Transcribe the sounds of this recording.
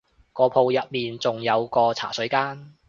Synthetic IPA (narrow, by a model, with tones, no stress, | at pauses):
kɔː˧pʰo˧wjɐ˨t̚miː˨nt͡sʊ˨ŋjɐ˨˧wkɔː˧t͡sʰa̰ː˨˩sɵ˨˥ɥkaː˥n